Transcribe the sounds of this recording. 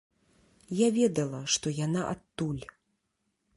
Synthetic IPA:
javʲɛd̪ɐlˠɐʂt̪ɔjanaʔat̪ːulʲ

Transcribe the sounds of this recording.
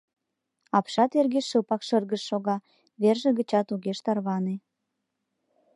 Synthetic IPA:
ɑpʃɑt̪erɣeʃəpɑkʃərɣəʃːoɣɑ | βerʒĕɣə̆t͡ɕɑt̪uɣeʃt̪ɑrβɑne

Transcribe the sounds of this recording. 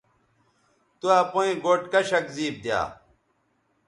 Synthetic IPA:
t̪uapoĩɡoːʈkɐɕɐkziːb̚d̪ja̰ː

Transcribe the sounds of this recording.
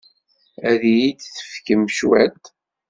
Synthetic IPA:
æðijid̪θə̥fkəmʃwæ̰t̪

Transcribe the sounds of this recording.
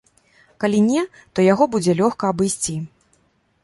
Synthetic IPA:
kalʲinʲɛ | t̪ɔjaɣɔbud͡zʲɛlʲɔxkɐːbɨjsʲt͡sʲi

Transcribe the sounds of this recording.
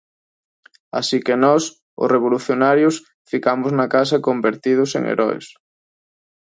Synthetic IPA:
a̰sikenɔs | ʊ̰sreβ̞oluθjonaɾjʊs | fikamʊznakasɐkombeɾt̪ið̞ʊsḛŋḛɾʔɔḛs

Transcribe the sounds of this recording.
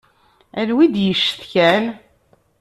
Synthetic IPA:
ænwid̪jəʃːəθçæn

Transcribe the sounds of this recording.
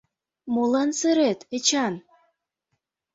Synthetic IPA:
mulɑnsɨɾet̪et͡ɕɑn

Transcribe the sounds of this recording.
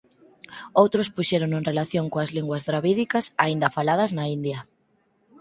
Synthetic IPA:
owt̪ɾʊspuʃɛɾoŋeŋrelaθjoŋkoɐzliŋɡwɐzðɾaβiðikɐsaind̪ɐfalaðɐznɐind̪jɐ

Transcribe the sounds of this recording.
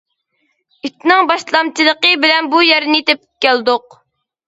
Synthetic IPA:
it̪nɨŋbɑʃlˠɑmt͡ʃʰilˠəqəbɪlɛnbujɛɾnɪit̪ɛp̚kʲæld̪ʊq̚

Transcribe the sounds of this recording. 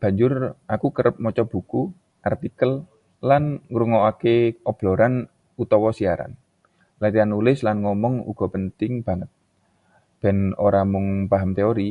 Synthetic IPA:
b̥a̤ɲd͡ʒʊrakukəɾəp̚mɔt͡ʃɔb̥ṳku | ʔart̪ikəl | lanŋɾuŋɔakeʔɔb̥lɔɾan | ut̪ɔwɔsiaɾa̰n | laɾianulɪslanŋɔmɔŋṵɡ̥ɔ̤pənt̪ɪŋb̥a̤ŋət̪̚ | b̥ɛ̤no̰ɾamʊŋpaɦamt̪eoɾi

